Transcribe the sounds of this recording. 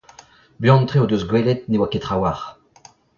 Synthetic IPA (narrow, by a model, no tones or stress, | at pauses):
bjɔ̃nt̪χeod̪øzɡwɛlɛt̪̚newaket̪χawaʁ